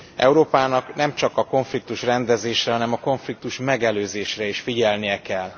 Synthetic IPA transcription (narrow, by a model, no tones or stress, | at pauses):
ɛ̰uɾoːpaːnɒknɛmt͡ʃɒkɒko̞ɱflik̚t̪uʃrɛnd̪ɛzeːʃrɛɦɒnɛmɒko̞ɱflik̚t̪uʃmɛɡɛløːzeːʃrɛiʃfiɟɛlnijɛkɛlː